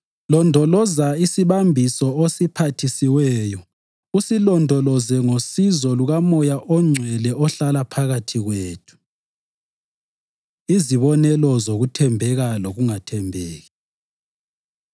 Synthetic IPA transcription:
lɔndʱɔlɔzaisiβambʱisɔosipʰatʰisiwɛːjɔ | usilɔndʱɔlɔzɛŋosizɔluɣamɔjaʔɔŋ͡ǀʱwɛlɛʔɔɬalapʰaɣatʰiɣweːtʰu̥ | iziβɔnɛlɔzoɣutʰɛmbʱɛɣaloɣuŋatʰɛmbʱeːɣɛ

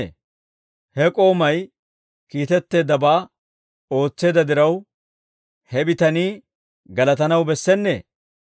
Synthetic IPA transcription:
hɛkʼo̞ːmɐj | kiːt̪ɛt̪ːe̞ːd̪ɐbaː | o̞ːt͡sːe̞ːd̪ɐd̪ɪɾɐw | hɛbɪt̪ɐniː | ɡɐlɐt̪ɐnɐwbɛsːɛnːḛː

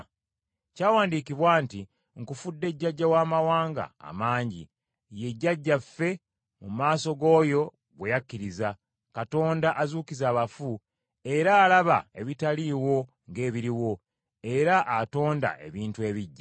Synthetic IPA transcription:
caːwaːndiːkiβwaːnti | ŋkufudːe̞ɟːaɟːawaːmawaːŋɡa̰ːmaːɲɟḭ | je̞ɟːaɟːafe̞ | mumaːso̞ɡo̞ːjo̞ | ɡwejakːiɾiza | kato̞ːndaʔazuːkizaːβafu | e̞ɾaːlaβa̰e̞βitaliːwo̞ | ŋɡe̞ːβiɾiwo̞ | e̞ɾaʔato̞ːnda̰ʔe̞̰βiːntue̞ːβiɟːa

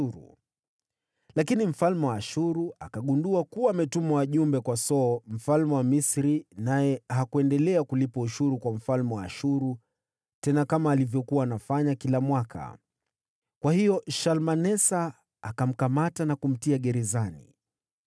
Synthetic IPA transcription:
ɾṵ | lakinim̩falmɛwaːʃuɾuakaɠunduakuwaːmɛtumɔwaʄumbɛkwasɔːm̩falmɛwamisɾinajɛɦakuɛndɛlɛakulipauʃuɾukwam̩falmɛwaːʃuɾu | tɛnakamaːlivjɔkuwaːnafaɲakilamwakʰa̰ | kwahijɔʃalmanɛsaː | kam̩kamatanakum̩tiaɠɛɾɛzanḭ

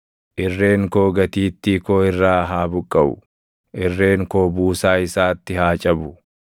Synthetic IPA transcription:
ʔɪrːe̞ːŋkoːɡɐt̪iːt̪ːikoːɪrːaːɦaːbʊkʼːɐbʊ̰ | ʔɪrːe̞ːŋkoːbuːsaːɪsaːt̪ːɪɦaːt͡ʃʼɐbʊ

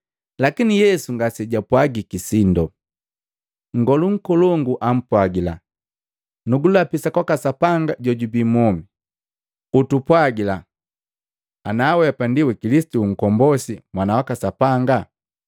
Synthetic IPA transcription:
lakinijɛsuŋɡasɛɟapwaɡikisindɔ | ŋ̩ɡɔluŋ̩kɔlɔŋɡuʔam̩pwaɡila̰ | nuɡulapisakwakasapaŋɡaɟɔɟubimɔmi | utupwaɡila | naːwɛpandiwɛkilisi̥tuːŋ̩kɔmbɔsimwanawakasapaŋɡa

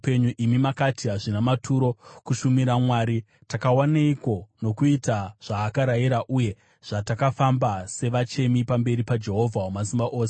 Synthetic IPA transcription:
peɲuʔimimakatiɦaʐinamatʰuɾo̞kuʃumiɾamwaːɾi | takawaneiko̞no̞kuitaʐ̥aːkaɾaiɾaʔuje̞ | ʐ̥atakafambase̞ʋat͡ʃe̞mipambe̞ɾipad͡ʒe̞ɦo̞vʱawomas̬imbaʔoːse

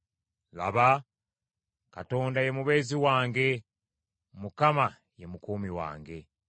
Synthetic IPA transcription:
la̰βa | kato̞ːndaje̞muβe̞ːziwaːŋɡe̞ | mukama | je̞mukuːmiwa̰ːŋɡe̞

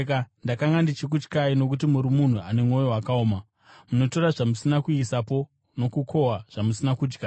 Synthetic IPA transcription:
kandakaŋɡandit͡ʃik̬ut͡ʃkaino̞k̬ut̬imuɾimun̤ua̰ne̞mo̞jo̞wakaoːma | muno̞to̞raʐamusinakuisapo̞ | no̞kukʰo̞waʐ̥amusinakuːd͡ʒɡa

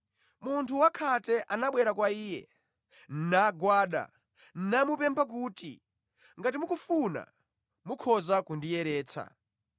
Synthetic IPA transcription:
muntʰuwakʰatɛʔanaɓwɛɾakwaiːjɛ̰ | n̩naɡwaːɗa̰ | n̩namupɛmpʰak̬uːtḭ | ŋɡatimukufuna̰ | mukʰɔzakundijɛɾɛːt͡sʰa̰

